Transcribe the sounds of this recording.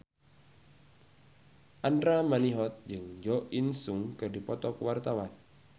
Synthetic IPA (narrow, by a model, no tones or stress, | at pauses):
ʔandɾamaniɦɔt̪̚d͡ʒɨŋd͡ʒɔʔinsuŋkɨrdipɔt̪ɔkəwart̪awan